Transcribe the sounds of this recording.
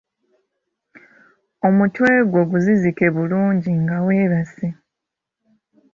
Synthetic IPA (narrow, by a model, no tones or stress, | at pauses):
o̞mutwe̞ːɡwo̞ɡuzizike̞βuluːɲɟiŋɡaweːβase